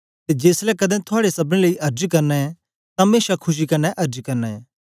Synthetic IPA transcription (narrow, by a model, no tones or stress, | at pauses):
t̪ed͡ʒeːslɛkɐd̪ɛ̃t̪ʰʊaːɽesɐbɽ̃ẽləiʔɐɾd͡ʒkɐɾnɛɛ | t̪ãmeːʃakʰʊʃ̬ikɐɾnːɛʔɐɾd͡ʒkɐɾnɛɛː